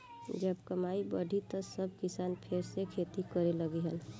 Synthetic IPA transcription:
d͡ʒəbkəmaibəɖʱit̪ɔsəb̚kisanpʰeɾsekʰet̪ikəɾeləɡeɦəl

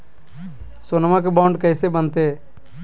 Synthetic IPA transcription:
sonmãk̬ebãːɳɖkəɪsebənt̪eː

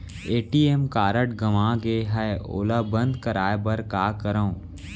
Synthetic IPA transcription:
eːʈiːemkaːɾəʈɡɐʋãːɡeːɦɛo̰ləbə̃nd̪kəɾaːjebəɾkaːkəɾəõ

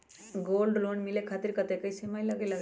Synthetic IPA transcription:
ɡoːlɖloɳɖmilekʰaːt̪iɾkət̪ekəisemaːjləɡeləɡ

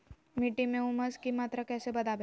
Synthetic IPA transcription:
miʈimeuməd͡zkimat̪ɾəkɛsebəd̪abe

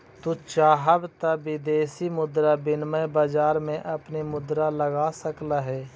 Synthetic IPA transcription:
t̪ut͡ʃaːɦəbt̪abɪd̪eːsimʊd̪ɾabɪnməjbaːd͡ʒaːɾmẽʔɐpnemʊd̪ɾaləɡaːsəklaɦɛː

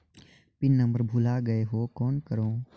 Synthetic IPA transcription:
pɪnːə̃mbəɾbʱulaːɡəeɦoːkoːnkəɾoː

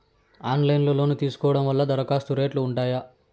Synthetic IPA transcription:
aːnlɐjnlɐlo̞ːnut̪iːsu̥kɔːʋɐɽɐmʋɐlːɐd̪ɐɾɐkaːst̪uɾeːʈluːɳʈaːjɐ

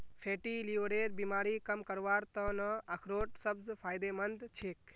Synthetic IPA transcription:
pʰeːʈiliʋɾeɾbimaːɾikəmkəɾʋaːɾt̪ənəəkʰɾoːʈ̚səbzpʰaːjd̪emənd̪t͡ʃʰeːk

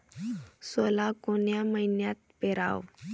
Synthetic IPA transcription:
solakoɳjaməɦinjat̪̚peɾa̰ʋ

